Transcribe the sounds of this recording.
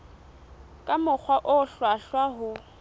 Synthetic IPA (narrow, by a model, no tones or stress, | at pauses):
kʼamʊk͡xʰwaʔʊɬwaɬwaɦʊ